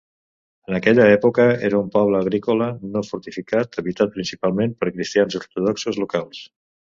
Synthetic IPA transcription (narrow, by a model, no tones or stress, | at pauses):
ənəkɛʎəɛpokəeɾəumpɔβləːɣ̞ɾikolənofuɾt̪ifikat̪əβit̪at̪̚pɾinsipalˠmẽmpəɾkɾist̪ianziuɾt̪uðɔksuzlukalˠs